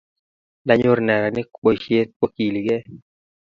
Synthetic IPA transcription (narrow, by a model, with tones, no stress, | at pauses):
da˦ɲʊ˦ɾnɛ˨ɾa˨nɪ˦k͡po˨ʃje˦t̪̚ko˦ki˨li˨ɡɛ˦